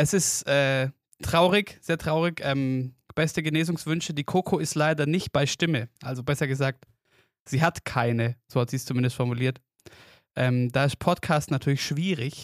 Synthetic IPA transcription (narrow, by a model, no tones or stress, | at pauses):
ʔɛsɪstʔɛː | tʁ̥aʊʁɪçz̥eːɐtʁ̥aʊʁ̞ɪçʔɛːmb̥ɛstəɡəneːzʊŋsv̥ʏnʃədiːkʰoːkʰoɪstlaɪdɐnɪçt̚b̥aɪʃtɪməʔalzobɛsɐɡəzaːk̚t | z̥iːɦatkʰaɪnəz̥oːhatz̥iːst͡sumɪndəstfɔɐmuliːɐt | ʔɛːmdaːɪstpʰɔtkʰaːstnatʰyːɐlɪçʃv̥iːʁɪç